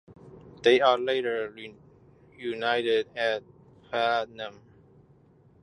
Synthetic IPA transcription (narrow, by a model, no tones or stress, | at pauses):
ð̥eɪəleɪɾə˞ | junaɪɾɪdæt̚ | fɛnə̃m